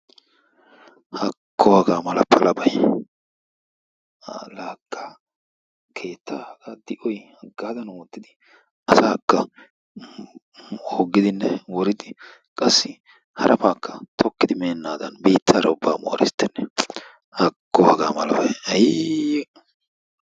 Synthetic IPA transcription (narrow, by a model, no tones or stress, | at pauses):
hɐkʰːɔhɐɡaːmɐlɐpʰɐlɐbɐj | laːkʰːa | kʰe̞ːt̪ʰːahɐɡaːd̪ɪʔɔjhɐɡaːd̪ɐnoːt̪ːɪd̪ɪ | ɐsaːkːɐ | oːɡːɪd̪ɪnːɛwɔɾɪd̪ɪ | kʼɐsːɪ | hɐɾʔɐfaːkːɐ̥t̪ʰɔkːɪd̪ɪmeːnːaːd̪ɐnbiːt̪ʰːaːɾɐʊbːaːmo̰ːɾɪ̰st̪ːɛnːɛ | hɐkːɔhɐɡaːmɐlɐ̰bɐjɐj